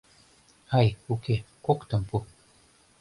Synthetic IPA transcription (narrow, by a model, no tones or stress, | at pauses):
hajuke | kokt̪ɤ̆mpu